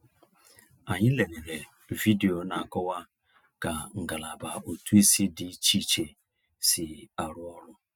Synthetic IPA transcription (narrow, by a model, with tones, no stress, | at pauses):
a˨ɲɪ˦le˨ne˨ne˨ | vi˦de˨o˨na˨kɔ˦wa˦ | ka˨ŋ̩˨ɡa˨la˨ba˨o˨tu˦i˦si˦dɪ˨˦t͡ʃi˦t͡ʃe˨ | sɪ˨a˨ɾʊ˦ɔ˦ɾʊ˦